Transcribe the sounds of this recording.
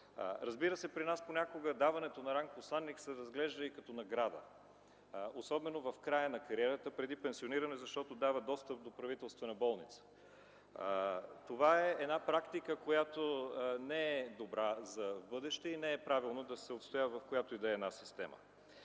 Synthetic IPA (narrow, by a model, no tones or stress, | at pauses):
ɾɐzbiɾəsɛpɾinasponʲakoɡəd̪avɐnɛt̪onɐɾaŋk̚poslˠanːiksəɾɐzɡlɛʒd̪əikɐt̪ɔnɐɡɾad̪ə̰ | osɔbɛnovɐfkɾajənɐkɐɾiɛɾət̪əpɾɛd̪ipɛnsioniɾənɛzɐʃt̪ɔt̪od̪avəd̪ɔst̪əp̚d̪opɾɐvit̪ɛlˠst̪vɐnɐbɔlˠnit̪sə̥ | t̪ovaɛːd̪napɾakt̪ikəkojat̪onɛɛd̪obɾazɐvbɤd̪ɛʃt̪ɛinɛɛpɾavilˠnod̪ɐsɛot̪st̪ojavɐfkojat̪oid̪ɛːd̪nasist̪ɛmə̰